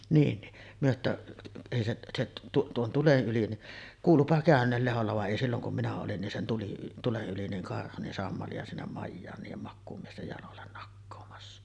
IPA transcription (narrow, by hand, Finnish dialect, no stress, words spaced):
niːn ni myø tːæ eˑi seʔ seʔ tu tuon tulen ʔyli niʔ kuːlupɑ kæˑønˑeːl leholːɑ ʋɑ ʔeˑi silːoŋ kum minæ olin nin sen tuli tuleʔ ʔyli niŋ kɑrhu nin sɑmːɑliɑ sinːem mɑjːɑːn niːjem mɑkːuːmiestej jɑlolːen nɑkːoːmɑsːɑ